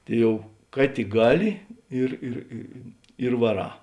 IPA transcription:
ˈtɐɪ ˈjɛʊ ˈkɐ tʲɪk ˈɡɑːˌlʲɪ ˈɪr ɪr ɪ ɪ ɪr ʋɐˈrɑː

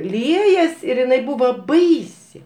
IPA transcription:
ˈlʲiɛjɛs ɪr ɪˈnɐɪ ˈbuːʋɐ ˈbɐɪsʲɪ

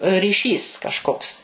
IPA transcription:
rʲiːˈʃʲiːs kɐʃˈkoːks

